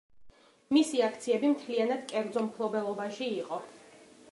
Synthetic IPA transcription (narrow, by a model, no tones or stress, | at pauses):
misiakʰt̪sʰiɛbimt̪ʰlianad̪̥kʼɛɾd̪zɔmpʰlˠɔbɛlˠɔbaʃiːqʼɔ